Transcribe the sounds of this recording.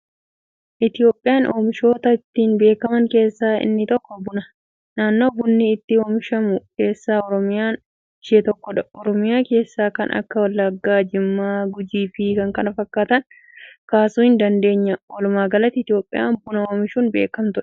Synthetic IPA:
ʔɪt̪ɪo̞ːpʼːɪjaːnʔoːmɪʃo̞ːt̪ɐɪt̪ːiːnbe̞ːkɐmɐŋke̞ːsːaːʔɪ̰nːɪt̪ɔkːɔbʊnɐ | naːnːo̞ːbʊnːɪːt̪ːɪoːmɪʃɐmʊke̞ːsːaːɔɾɔmɪjaːn | ʃeːt̪ɔkːɔᶑɐɔɾɔmɪjaːke̞ːsːaːkɐ̰nʔɐ̰kːɐwɐlːɐɡːaːd͡ʒɪmːaːɡʊd͡ʒiːfɪkɐŋkɐnɐfɐkːaːt̪ɐn | kaːsuːhɪnd̪ɐnd̪e̞ːɲːɐwɔlʊmaːɡɐlɐt̪ːɪt̪ɪjo̞ːpʼːɪ̰ja̰ːnbʊnɐoːmɪʃuːnbe̞ːkɐmt̪ʊᶑɐ̥

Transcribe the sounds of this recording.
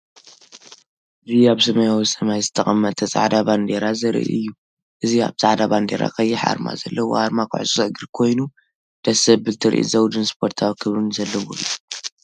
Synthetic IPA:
ʔɨziaβsɐmɐjawisɐmajzɨt̪ʰɐχʼɐmːɐt̪̚ʰɐt͡sʼa̰ʕd̪aband̪eɾazɨɾ̰ʔḭɨ̰jːu | ʔɨzia̰βsʼaʕd̪aband̪ḛɾa̰kʰɐjːɪħa̰ɾma̰zɐlːɐwo̰haɾmakʰa̰ʕsʼusʼɐɡɨɾkʰo̞jnu | d̪̥ɐsɐbbɨlt̪ʰɨɾʔḭzɐwd̪ɨnspʰo̞ɾt̪ʰawikʰɨβɾɨnzɐlːɐwo̰u

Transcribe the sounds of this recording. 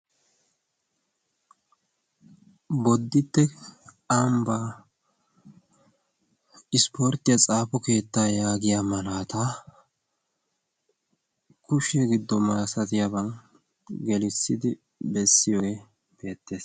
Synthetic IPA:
bɔd̪ːɪt̪ːɛ | ambaː | ɪspo̞ːɾt̪ːɪjɐt͡sʼaːpɔke̞ːt̪ːaːjaːɡɪjaːmɐlaːt̪aː | kʊʃɛɡɪd̪ːɔmɐɾsɐt̪ɪjabɐn | ɡɛlɪsːɪd̪ɪ | bɛsːɪjoːɡe | b̥e̞ːt̪ːe̞ːs

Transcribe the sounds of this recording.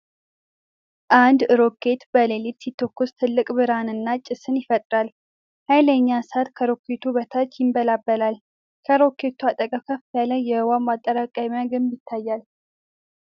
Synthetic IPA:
ʔand̪ɨɾo̞kʰːe̞t̪bəlelit̪sit̪ʰːokːust̪ʰɨlːɨkʼbɨɾanɨnːat͡ʃʼɪsɨnjɪfət̪ʼɾal | hajləɲːasat̪kʰəɾo̞kʰːe̞t̪ʰubət̪ʰat͡ʃːjɪmbəlabːəlal | kʰəɾo̞kʰːe̞t̪ʰuat̪ʼəkʼəwkʰəfalajːɛwamat̪ʼːəɾakʼamaɡɨmjɪt̪ʰːajːal

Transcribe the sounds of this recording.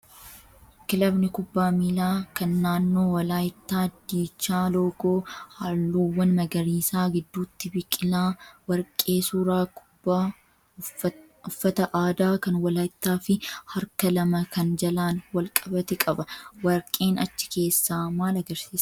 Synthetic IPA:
kɪlɐbnɪkʊbːaːmiːlaːkɐnːaːnːo̞ːwɐlaːjt̪ːaːd̪ːiːt͡ʃːaːlo̞ːɡoːhaːlːuːwɐnmɐɡɐɾiːsaːɡɪd̪ːuːt̪ːɪbɪkʼɪlaːwɐɾkʼːe̞ːsuːɾaːkba | ʊfːɐt̪ɐʔaːd̪aːkɐnwɐlaːjɪt̪ːaːfɪhɐɾkɐlɐmɐkɐnd͡ʒɐlaːnwɐlkʼɐbɐt̪ɛkʼɐbɐwɐɾkʼe̞ːnɐt͡ʃːɪ̥ke̞ːsːaːmaːlɐɡɐɾsiːs

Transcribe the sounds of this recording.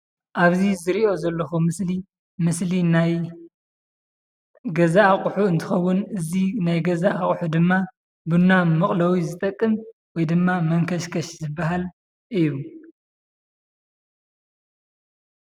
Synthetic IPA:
ʔaβzizɨɾio̞zɐlːɐxumɨsli | mɨslinaj | ɡɐzaːχʼħuɨnt̪ʰɨxɐwːʊnɨzinajɡɐzaʔaχʼħud̪ɨmːa | bɨnːamɨχʼlɐwizɨt̪ʼɐkʼːɨmwɔjd̪ɨmːamɐŋkʰɐʃkʰɐʃzɨbːaɦal | ʔɨjːu

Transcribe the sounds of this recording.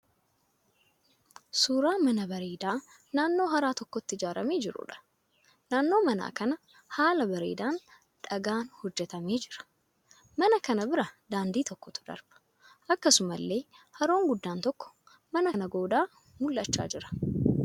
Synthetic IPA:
suːɾaːmɐnɐbɐɾeːd̪aː | naːnːo̞ːɦɐɾaːt̪ɔkːɔt̪ːɪɪd͡ʒaːɾɐmeːd͡ʒɪɾʊ̰ᶑɐ̥ | naːnːo̞ːmɐna̰ːkɐnɐ | haːlɐbɐɾḛːd̪aːn | ᶑɐɡaːnhɔd͡ʒːɛt̪ɐme̞ːd͡ʒɪɾɐ̥ | mɐnɐkɐnɐbɪɾɐd̪aːnd̪iːt̪ɔkːɔt̪ʊ̥d̪ɐ̰ɾb̥ɐ̥ | ʔɐkːɐsʊmɐlːe̞ːhɐɾo̞ːŋɡʊd̪ːaːnt̪ɔkːɔ̥ | mɐnɐnɐɡo̞ːd̪aː | mʊlːɐt͡ʃːa̰ːd͡ʒɪɾɐ̥

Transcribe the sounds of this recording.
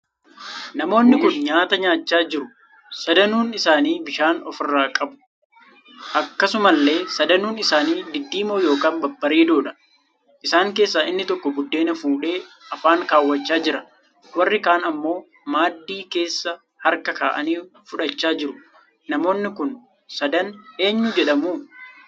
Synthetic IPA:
nɐmo̞ːnːɪkʊnɲaːt̪ɐɲaːt͡ʃːaːd͡ʒɪɾʊ | sɐd̪ɐnuːnɪsaːniːbɪʃaːnɔfɪrːaːkʼɐbʊ̥ | ʔɐkːɐsʊmɐlːe̞ːsɐd̪ɐnuːnɪsaːniːd̪ɪd̪ːiːmoːjo̞ːkaːnbɐbːɐɾiːd̪oːᶑɐ̥ | ʔɪsaːŋke̞ːsːaːʔɪnːɪt̪ɔkːɔbʊd̪ːe̞ːnɐfuːᶑe̞ː | ɐfaːŋkaːwːɐt͡ʃːaːd͡ʒɪɾɐ | wɐrːɪkaːnɐmːo̞ː | maːd̪ːiːke̞ːsːɐ | hɐɾkɐkaːʔɐniːfʊᶑɐt͡ʃːaːd͡ʒɪɾʊ | nɐmo̞ːnːɪkʊn | sɐd̪ɐne̞ːɲːʊd͡ʒɛᶑɐmuː

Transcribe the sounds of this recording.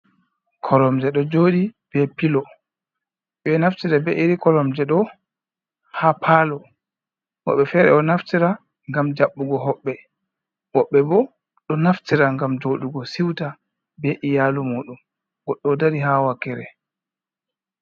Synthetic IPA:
kʰɔɾɔmd͡ʒɛɗɔd͡ʒoːɗib̥ɛpilɔ | ɓɛnaftiɾabɛʔiɾikɔɾɔmd͡ʒɛɗɔ | hapʰaːlɔ | hɔ̰ɓːɛfɛɾɛ̰ɔnaftiɾa | ŋɡamd͡ʒaɓːuɡɔɦɔɓːɛ | wɔɓːɛbɔ | ɗɔnaftiɾaŋɡamd͡ʒoɗuɡɔsiwta | bɛʔijalumuːɗum | ɡɔɗːɔdaɾiɦawakːɛɾɛ

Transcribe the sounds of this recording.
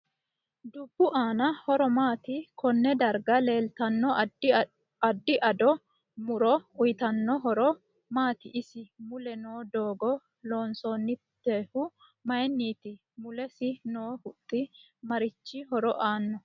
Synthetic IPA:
d̪ʊb̥ːʊʔaːnɐhɔɾɔmaːt̪ɪkʰɔnːɛd̪ɐɾɡɐle̞ːlt̪ɐnːɔ | ɐd̪ːɪʔɐd̪ɔ | mʊɾɔʊjt̪ɐnːɔɦɔɾɔ | maːt̪ɪʔɪsɪmʊlɛnoːd̪o̞ːɡɔ | lo̞ːnsonːɪt̪ːeːhʊ | mɐjnːiːt̪ɪ | mʊlɛsɪnoːhʊt̪ʼːɪ | mɐɾɪt͡ʃːɪɦɔɾɔʔaːnːɔ

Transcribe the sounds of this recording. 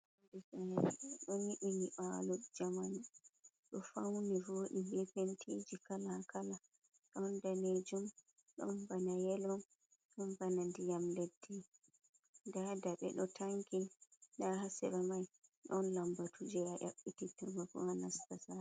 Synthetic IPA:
dɛsanaiɗɔniʔiniɓalɔd͡ʒamana | ɗɔfawnivoɗimbɛpentʰed͡ʒikalakala | ɗɔndaned͡ʒum | ɗɔ̰mbanajɛlɔn | ɗɔmbanandijamledːi | ndadaɓɛ̰ɗɔtʰaŋkidahasɛbamajɗɔnlambatʰud͡ʒɛaʔa̰ɓːititɔmakɔ̰anastasa

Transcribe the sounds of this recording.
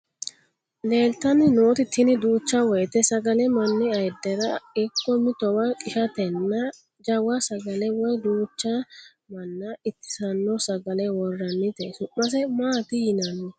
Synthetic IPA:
le̞ːlt̪ɐnːɪno̞ːt̪ɪt̪ːɪnɪd̪uːt͡ʃːɐwɔjt̪ɛsɐɡɐlɛmɐnːɪɐjd̪ːɛɾɐɛkːɔmɪt̪ɔwɐkʼɪʃɐt̪ɛnːɐ | d͡ʒɐwɐsɐɡɐlɛwɔjd̪uːt͡ʃːɐ | mɐnːɐɪt̪ːɪ̥sɐnːɔsɐɡɐlɛwɔrːɐnːɪt̪ɛsʊʔːɐs̬ɛmaːt̪ɪjɪnɐnɛ

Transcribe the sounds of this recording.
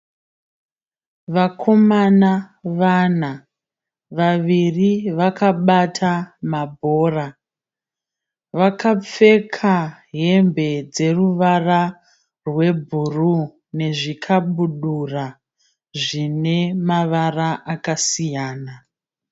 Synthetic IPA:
ʋakʰo̞manaʋana | ʋaʋiriʋakʰaɓatʰamabʱo̞ːra | ʋakʰap͡fe̞kʰa | ɦe̞mbe̞d͡ze̞ruʋara | rwe̞bʱuru | ne̞ʐikʰaɓuɗura | ʐine̞maʋaraʔakasijaːna

